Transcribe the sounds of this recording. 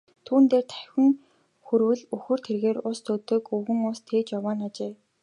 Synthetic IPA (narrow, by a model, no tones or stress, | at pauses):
t̪ʰuːnt̪eːrt̪ʰæ̥xʲɘ̆ŋ | xɵɾwɘ̆ɮɵxɵ̆r̥t̪ʰerɣeːrʊst̪ʰɵt̪ɵ̆kɵɣɘ̆ŋʊst̪ʰeːt͡ɕjawaːnat͡ɕeː